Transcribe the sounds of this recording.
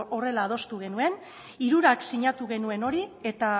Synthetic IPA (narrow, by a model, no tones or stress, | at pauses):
o̞re̞laːð̞o̞st̪uɣ̞e̞nue̞n | iɾuɾaksiɲat̪uɣe̞nue̞no̞ɾie̞t̪a